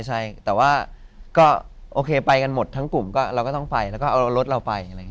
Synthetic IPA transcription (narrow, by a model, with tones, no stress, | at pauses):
t͡ɕʰa˥˩jt̪ɛː˨˩waː˥˩ | kɔː˥˩ʔoː˧kʰeː˧pa˧jka˧nmo˨˩t̪ʰːa˦˥ŋku˨˩mkɔː˥˩ɾa˧wkɔː˥˩t̪ɔ˥˩ŋpa˧jlɛ˦˥wkɔː˥˩ʔa˧ɾo˦˥t̪̚ɾa˧wpa˧jʔa˧ɾa˧ŋ˦˥˦